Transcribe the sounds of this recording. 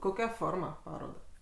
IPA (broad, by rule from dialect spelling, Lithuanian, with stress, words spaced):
koːˈkʲɛ ˈfoːrmɐ ˈpɑːroːdɑː